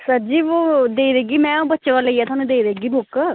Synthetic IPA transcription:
səd͡ʒiːʋoːd̪eːid̪eːɡiːmɛ̃ːõːbətːʃeʋaleiɛːt̪ʰʊaːnũːd̪eːid̪ɾeːɡiːbʊk

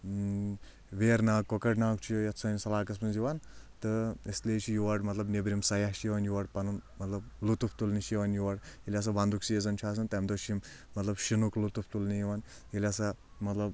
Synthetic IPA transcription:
ʋeːɾnaːkːokɐʈnaːk̚t͡ʃʰijɐt̪t͡sʰɐːnsɐlaːkɐs̬mɐnziʋaːnt̪ɨesleːt͡ʃʰijuʋaɖmɐt̪lɐbnebɾʲimsɐjahʃjeʋɐnjuʋaɖpɐnunmɐt̪lɐb̚lut̪upʰt̪ulniʃeʋanjuʋaɽjelʲas̬abɐnd̪uksijezɐnt͡ʃʰaːs̬ɐnt̪ɐmd̪oʃimː | ɐt̪lɐbʃinuklut̪upʰt̪ulnijiʋaːn | jelʲasa | mɐt̪lɐb

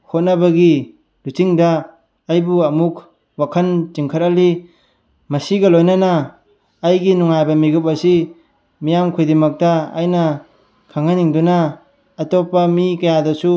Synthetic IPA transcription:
hot̚nɐbɐɡi | lut͡ʃiŋdɐː | jbuɐmukʰ | wakʰɐnt͡ʃiŋkʰɐɾɐli | mɐsiɡɐlojnɐnɐː | jɡinuŋajbɐmiɡup̬̚ɐsi | mijamkʰojdimɐk̚tɐa̰jnɐ | kʰaŋaniŋdunɐː | topːɐmikɐjadɐsu

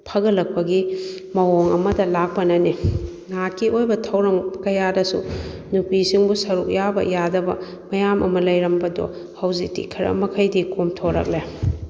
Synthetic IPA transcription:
pʰɐɡɐlɐk̚pɐɡi | mɐwoŋɐ̰mɐdɐlak̚pɐnɐni | nakiʔojbɐtʰɐwɾɐŋkɐjadɐsṵ | nupisiŋbusɐɾuk̚jabɐ̰jadɐbɐ̰ | mɐjamʔɐmɐlɐjɾɐmbɐdɔ̰ | hɐwzik̚tḭkʰɐɾɐ̰mɐkʰɐjdikomtʰoɾɐ̰k̚le

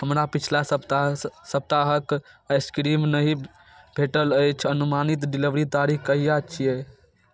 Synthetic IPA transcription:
ɦəmɾapit͡ʃʰlast̪səb̚t̪aɦəkəɪskɾimnəɦi | bʱeʈələjt͡ʃʰənumanit̪ɖiliʋɾit̪aɾikkəijat͡ʃʰije

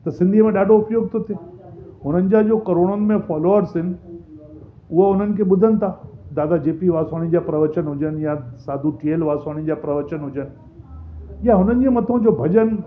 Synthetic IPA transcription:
t̪ɐsɪ̃nd̪ʱiəmẽɗaːɖʱoʊpjoːɡ̚t̪ʰot̪ʰeː | ɦʊn̤ənɪ̆d͡ʑad͡ʑoːkɐɾoːɽ̃ənɪ̆mẽfɔːloːəɾsɪnɪ̆ | ʊɦəʊn̤ənɪ̆kʰeɓʊd̪ʱənɪ̆t̪ʰaːd̪aːd̪ad͡ʑeːpiʋaːsaːɽ̃id͡ʑapɾɐʋət͡ɕənɦʊd͡ʑənjasaːd̪ʱuʈielʋaːsaːɽ̃id͡ʑapɾɐʋət͡ɕənɦʊd͡ʑən̆ | jaɦʊnənɪ̆d͡ʑẽmɐt̪ʰõd͡ʑoːbʱɐd͡ʑən

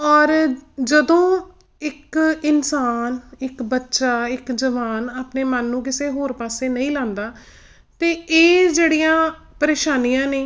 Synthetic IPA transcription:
ɔːɾd͡ʒəd̪õː | ɪkɪnsaːnɪkbətːʃaːɪkd͡ʒəʋaːnaːpneːmənːũːk̬ɪseːɦoːɾpaːseːnəĩːlãːnd̪aː | t̪eːeːd͡ʒeːɽiːjãː | pəɾeːʃaːniːjãːneː

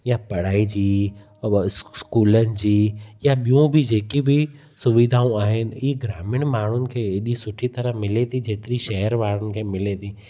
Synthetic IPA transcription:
japɐɽ̤aːid͡ʑiː | sskuːlənɪ̆d͡ʑiːjaɓijũbʱɪd͡ʑeːkibɪ | sʊʋid̪ʱaːũaːɦɪnɪ̆iɡɾaːmɪɽ̃maːɳ̤ʊnɪ̆kʰeːeɗisʊʈʰit̪ɐɾəmɪlet̪ʰid͡ʑeːt̪ɪɾiʃɛɦəɾʋaːɽ̤̃ʊnɪ̆kʰeːmɪlet̪ʰi

